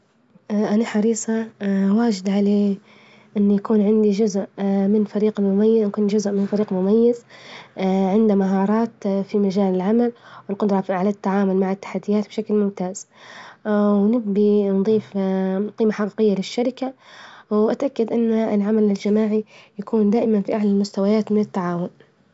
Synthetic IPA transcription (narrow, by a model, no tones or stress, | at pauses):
ʔʔanaħɑɾiːsˤɑwaːd͡ʒɪd̪ʕaleː | ʔɪnːjakuːnʕɪnd̪id͡ʒʊzʔmɪnfaɾiːqmʊmajːkuːnd͡ʒʊzʔmɪnfaɾiːqmʊmajːɪz | ʕɪnd̪amaɦɑːɾˤɑːt̪fimad͡ʒaːlɪlʕamalwɪlqʊd̪ɾˤɑfiʕalat̪ːaʕaːmʊlmaʕɪt̪ːḁħad̪ːɪjaːt̪̚bʃaklmʊmt̪aːz̥ | wnɪɡbinðˤiːfqiːmaħaqiːqɪjːalɪʃːaɾɪkawʔat̪ʔakːad̪ʔɪnːɪlʕamalɪld͡ʒamaːʕijakʰuːnd̪aːʔɪmanfiʔaʕlalmʊst̪awajaːt̪mɪnɪt̪ːaʕaːwʊn